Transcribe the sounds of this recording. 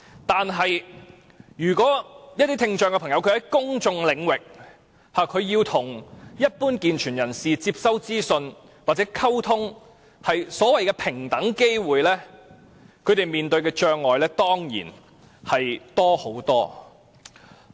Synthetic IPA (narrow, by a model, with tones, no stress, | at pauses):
t̪aː˨nɦɐ˨j | jyː˨˩kʷɔː˨˥jɐ˥t̪i˥t̪ʰɪ˧ŋt͡ʃœː˨˧ŋkɛ˧pʰɐ˨˩ŋjɐ˧wkʰɵ˧hɐ˨˦jkʊ˥ŋt͡ʃʊ˧ŋlɪ˨˧ŋwɪ˨k̚ | haː˨kʰɵ˨˧ɥjiː˧wt̪ʰʊ˨˩ŋjɐ˥t̚puː˥nkiː˨nt͡ʃʰyː˨˩njɐ˨˩nsiː˨t͡siː˧p̚sɐ˥wt͡siː˥sɵ˧n | waː˨˩t͡sɛ˨˥kʰɐ˥wt̪ʰʊ˥ŋ | hɐ˨jsɔː˨˥wɐ˨jkɛː˧pʰɪ˨˩ŋt̪ɐ˨˥ŋke˥jwuː˨jlɛː˥ | kʰɵ˨˧ɥt̪e˨jmiː˨˩nt̪ɵ˧ɥkɛː˧t͡ʃœː˧ŋlɔː˨˩jlɛː˥t̪ɔː˥ŋjḭː˨˩n | hɐ˨jt̪ɔː˥ho˨˥wt̪ɔ̰ː˥